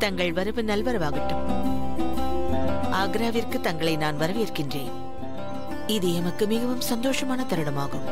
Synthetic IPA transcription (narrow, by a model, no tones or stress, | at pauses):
t̪ɐŋɡɐɭʋɐɾɯʋɯnɐlʋɐɾɐʋaːɣɐʈːɯm | ʔaːɡɾaːʋɪrkɯt̪ɐŋɡɐɭɐɪnaːnʋɐɾɐʋɪɾkːɪndreːn | ɪðɪɛmɯkːɯmɪɣɐʋɯmsɐnd̪oːʂɐmaːnɐt̪ɐɾɯɽɐmaːɣɯm